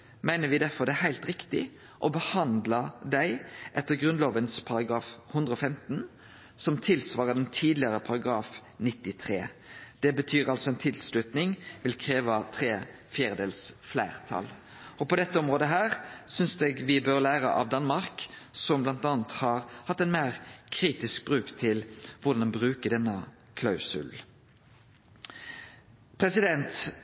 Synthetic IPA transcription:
mæɪnəʋɪd̪æɾfɔɾd̪ɛæɦæɪlt̪ɾɪkt̪ɪ | ʔɔbəhɑnd̪lɑd̪æɪʔɛt̪ːəɾɡɾʉnloːʋənspʰɑɾɑɡɾɑːfhʉnd̪ʁəɔfɛmt̪n | sɔmt̪ʰɪlsʋɑːʁəd̪ɛnt̪ʰiːd̪lɪəʁəpʰɑɾɑɡɾɑːfnɪt̪ːɪt̪ʰʁḛːd̪̥ɛbət̪ʰyːʁɑlsɔɛnt̪ʰɪlslʉt̪nɪŋʋɪlkʰɾeːʋɑt̪ʰɾeː | fjæːʁəd̪eːlsflæɪʁt̪ʰɑ̰l | ɔpɔd̪ɛt̪ːəɔmʁoːd̪əɦæːʁsʏnsd̪ɛɡʋɪbøːʁlæːʁə̰ʔɑ̰ʋd̪ɑnmɑʁksɔmblɑnt̪ɑːnt̪hɑɾhɑt̪ːɛnmæːʁkʰɾiːt̪ɪsk̚bʁʉːkt̪ʰɪlʋʊd̪ɑnɛnbʁʉːkəɖ̪ɛnːə | kʰlɑʉsʉ̰l | pʰɾɛsɪd̪ɛnt̪

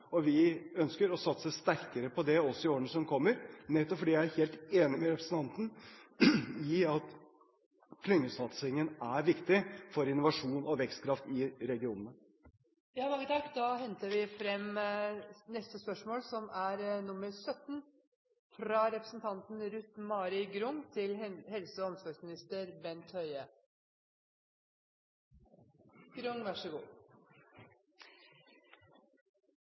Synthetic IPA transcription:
ɔʋɪœnskəɾɔsɑt̪səst̪æɾkəɾəpʰɔd̪ɛɔsɔɪoːɾənəsɔmkʰɔmːəɾnɛt̪ːɔpfɔɖiːjææɾheːlt̪eːnɪmɛɾɛpɾəsn̩t̪ɑnt̪n̩ | ɪɑt̪ | kʰlʏŋːəsɑt̪sɪŋənæɾʋɪkt̪ɪfɔɾɪnːʊʋɑʂuːnɔʋɛkst̪kʰɾɑft̪ɪɾɛɡɪuːnənə | jɑːmɑŋːət̪ʰɑkːd̪ɑːhɛnt̪əɾʋɪfɾɛmː | nɛst̪əspœʂmoːlsɔmæɾnʊmːəɾsœt̪n | fɾɑɾɛpɾəsn̩t̪ʰɑnt̪n̩ɾʉt̪mɑːɾɪɡɾʊŋt̪ʰɪlhɛlsəɔɔmsʋɑɾsmɪnɪst̪əɾbɛnt̪hœʏə | ɡ̥ɾʊŋʋæʂəɡṵː

